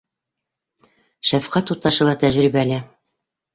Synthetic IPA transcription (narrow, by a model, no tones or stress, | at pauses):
ʃæfqæt̪ut̪ːɑʃɤ̆lˠɑt̪æʑɾibælæ